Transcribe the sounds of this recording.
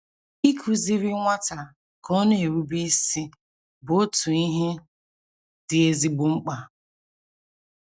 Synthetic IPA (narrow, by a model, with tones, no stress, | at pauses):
i˦kʰu˨zi˦ɾi˦ŋʷa˦ta˨ | kɔ˦ne˨ɾu˦bi˦si˦ | bo˦tu˨i˦ɦe˦ | dɪ˨e˦zi˦ɡ͡bʊ˦ŋ͡m̩˦k͡pa˨